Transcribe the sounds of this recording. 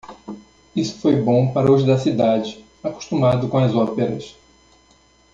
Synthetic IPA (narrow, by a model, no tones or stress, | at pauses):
isʊ̥fojbõpaɾɐʊʒd̪ɐsid̪ad͡ʒɪ | aku̥ʃt̪umad̪ʊkõɐzɔpeɾɐs